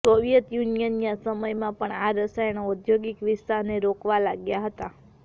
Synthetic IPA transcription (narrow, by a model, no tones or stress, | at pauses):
soʋijət̪junijənijãsəməjmãpəɳaɾəsajnoud̪ʱjoɡikʋɪst̪aɾneɾokʋalaɡjaɦət̪a